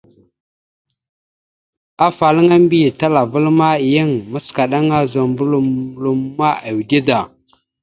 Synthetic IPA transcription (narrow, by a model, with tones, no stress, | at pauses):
a˦fa˨lŋa˦m˦bi˦˨ta˦la˨və˦lma˦˨jə˦ŋmə˦ska˨ɗa˦ŋa˦zo˨mbu˦lu˦m˦lu˨mːa˦a˨wdi˦da˨